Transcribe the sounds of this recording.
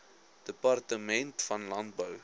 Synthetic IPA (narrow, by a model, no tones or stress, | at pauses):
d̥əpɐrtəmɛntfɐnlɐnt̚bəw